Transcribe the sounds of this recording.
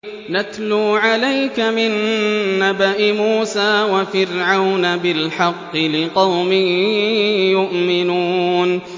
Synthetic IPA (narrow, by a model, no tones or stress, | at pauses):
nat̪luːʕalajkamɪnːabaʔɪmuːsaːwafɪɾʕawnabɪlħɑqːɨlɪqɑwmɪ | jʊʔmɪnuːn